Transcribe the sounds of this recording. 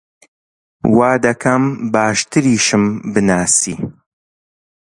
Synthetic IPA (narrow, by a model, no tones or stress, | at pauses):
waːd̪ɐkʰɐmbaːʃt̪ʰɨɾiːʃɨmbɨnaːsiː